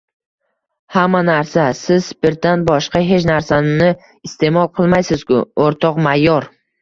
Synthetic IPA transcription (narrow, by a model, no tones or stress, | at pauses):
hamːanaɾsasɪzbɪɾd̪anbɒʃqɑɦe̞t͡ʃnaɾsannɪ | ɪst̪ʰe̞mɒlˠqʰɨlˠmajsɪz̥kʰʊ̰oɾt̪ʰɒqmajːɒɾ